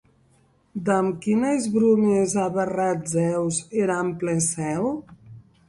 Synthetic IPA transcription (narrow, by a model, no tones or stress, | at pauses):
d̪əmkinezβɾumezaβərad͡zɛwzeɾamplɛsɛw